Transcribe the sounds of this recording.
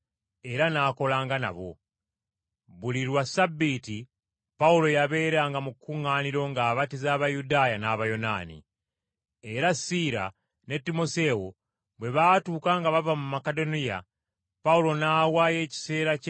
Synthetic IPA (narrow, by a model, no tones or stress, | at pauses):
e̞ɾanaːko̞laːŋɡana̰βo̞̰ | βuliɾwasabːiti | paulo̞jaβe̞ːɾaːŋɡamukːuŋaːniɾo̞ŋɡaːβatizaːβajudaːjanaβajo̞na̰ːnḭ | e̞ɾasiɾa̰ | ne̞tːimo̞se̞wo̞ | βwe̞βatuːkaŋɡaβavamumakedo̞nija̰ | paulo̞naːwaːje̞ːci̥se̞ːɾac